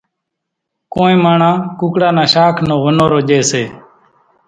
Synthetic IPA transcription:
koːĩːmaːɳãːkuːkɽaːnãːʃaːkʰnõːʋənõːɾoːd͡ʒeːseː

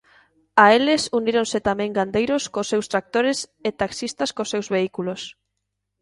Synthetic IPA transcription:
aelesuniɾõnset̪amɛ̃ŋɡand̪ejɾoskosewst̪ɾak̚t̪oɾeset̪aksist̪askosewzβeikulos

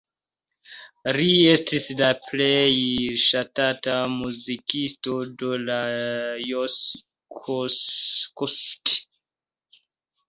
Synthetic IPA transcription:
ɾiestislaplejʃatatamuzikistodolajos | kʰoskost

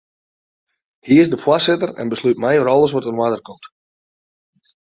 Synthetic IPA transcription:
hiɪzdəfwasɪtəɾɛ̰nbəslyt̚mɛjɔɾɔlˠəs̬ʋɔtənwadərkomt

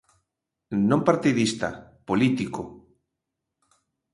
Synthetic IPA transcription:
nõmpaɾt̪iðist̪a̰polit̪iko

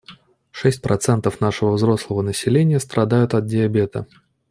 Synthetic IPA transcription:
ʂɛsʲt̚ʲpɾɐt̪sɛnt̪əfnaʂɨvəvzɾo̞slˠəvənəsʲɪlʲenʲɪjəst̪ɾʔɐd̪ajʊt̪ɐt̪̚dʲɪɐbʲe̞t̪ə̰

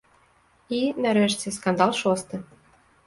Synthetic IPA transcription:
inæɾeʃt͡sʲeskɑnd̪ɑlˠʃost̪ɤ̆

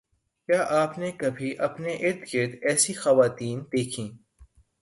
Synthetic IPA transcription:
kjaːʔaːpnekɐbʱiʔɐpneʔɪɾd̪ɡɪɾd̪ɛːsixɐʋaːt̪iːnd̪eːkʰĩː

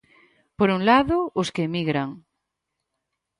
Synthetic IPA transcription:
poɾunlaðooskemiɣɾaŋ

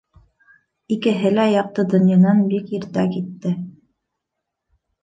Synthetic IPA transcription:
ikɘ̆ɦɘlæjɑq̚t̪ɤd̪ŏnjɑnɑnbikiɾt̪ækit̪ːɘ

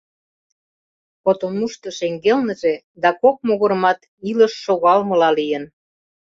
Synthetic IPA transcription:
pot̪onuʃt̪ɤ̆ʃeŋɡelnə̆ʒe | d̪ɑkok̚moɣoɾəmɑt̪ | iləʃːoɣɑlmə̆lɑlijən

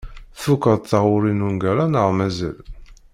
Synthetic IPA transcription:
θukəðθaʁʊɾinunɡæɾˤanəʁmæzæ̰l

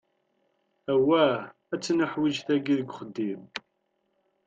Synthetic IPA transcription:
æwæ | æt͡sːnəħwid͡ʒθæɡiðəɡʷχəd̪ːim

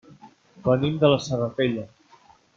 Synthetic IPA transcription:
bənimd̪ələsərəteʎə

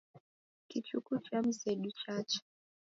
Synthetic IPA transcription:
kit͡ʃukut͡ʃam̩zɛɗut͡ʃat͡ʃɛ̥

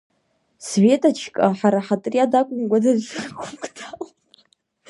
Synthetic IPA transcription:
sve̞tʼat͡ʃʰkʼaħaɾaħatʼriadakʷʼʊmkʷʼadaʒrkʰʷʊkʼtʰal

